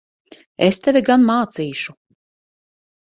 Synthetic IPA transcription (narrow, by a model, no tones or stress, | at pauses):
est̪ɛvʲiɡanmaːt̪siːʃu